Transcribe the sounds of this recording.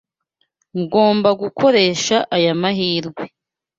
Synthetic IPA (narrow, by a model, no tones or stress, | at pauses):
ŋɡo̞ːmbaɡukʰo̞ɾe̞ʃaʔajamaɦiːɾɡwe